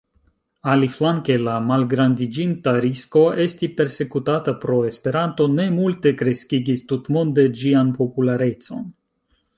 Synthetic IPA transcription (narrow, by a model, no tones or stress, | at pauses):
aliflaŋke̞lamalɡɾandid͡ʒintaɾisko̞e̞stipe̞ɾse̞kutatapɾo̞e̞spe̞ɾanto̞ne̞multe̞kɾe̞skiɡistutmonde̞d͡ʒianpo̞pulaɾe̞t͡so̞̰n